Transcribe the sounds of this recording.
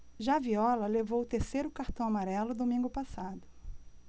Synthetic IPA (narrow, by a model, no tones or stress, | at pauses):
ʒaviɔlɐlevowt̪eɾsejɾʊkaɾt̪ɐ̃w̃amaɾɛlʊd̪omĩŋɡʊpasad̪ʊ